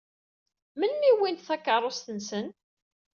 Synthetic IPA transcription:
mənːiwint̪θækːərˤːost̪ənsən

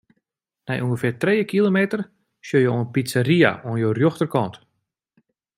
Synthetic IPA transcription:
nɛ̰jʔuŋɡəfɪrtreːəkilomeːtər | sjøjoənpit͡saɾia̰wənjoːrjoxtərkɔnt

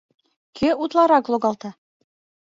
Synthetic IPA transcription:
kʰøut̪lˠɑɾɑklˠoɡɑlˠt̪ɑ

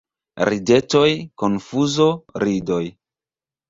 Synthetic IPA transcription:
ɾide̞to̞jkonfuzo̞ɾido̞j

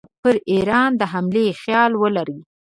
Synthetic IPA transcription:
pəɾiɾɑnd̪əɦamlexjɑlwəlaɾi

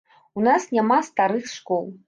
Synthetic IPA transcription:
unasnʲamast̪aɾɨxsʂkɔlˠ

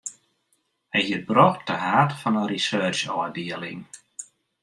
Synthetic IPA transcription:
əjhirbrɔxt̚d̥əɦaːtfɔnəɾisɜːt͡ʃɔːdɪəlɪ̰ŋ

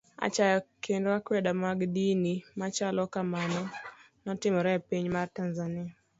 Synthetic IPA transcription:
a̰t͡ʃakʰendakwɛdamaɡdinimat͡ʃalɔkamanɔ | nɔtɪmɔɾɛpiɲmartanzanɪa

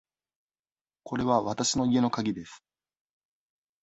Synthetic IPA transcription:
kʰo̞ɾe̞βaβat̪aɕino̞ie̞no̞kaɡʲid̪e̞sɨ̥

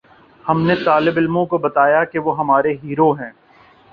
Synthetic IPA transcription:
hɐmnet̪aːlɪbɪlmõkobɐt̪aːjakeʋoɦɐmaːɾeɦiːɾoɦɛ̃ː

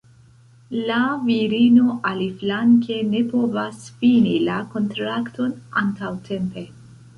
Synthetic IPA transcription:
laviɾino̞ʔaliflaŋke̞ne̞po̞vasfinilako̞ntɾakto̞na̰ntawtʰe̞mpe̞

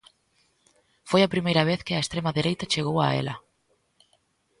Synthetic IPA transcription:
fojɐpɾimejɾɐβ̞eθkɪaest̪ɾemaðiɾejt̪ɐt͡ʃeɣ̞owa̰ḛlɐ

